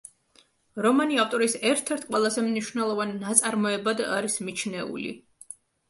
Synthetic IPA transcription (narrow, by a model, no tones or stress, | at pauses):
ɾɔmaniaft̪ʼɔɾisɛɾt̪ʰɛɾt̪̚ʰqʼwɛlˠazɛmniʃwnɛlˠɔvanːat̪sʼaɾmɔɛbad̪a̰ɾismit͡ʃʰnɛṵlḭ